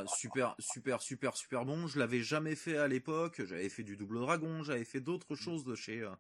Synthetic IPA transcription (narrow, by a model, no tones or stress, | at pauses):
sypɛʁsypɛʁsypɛʁsy̥pɛʁbɔ̃ʒəlavɛʒamɛfɛalepɔkʒa̰vɛfɛd̪yd̪ublod̪ʁaɡɔ̃ʒavɛfɛd̪ot̪χəʃozd̪əʃeø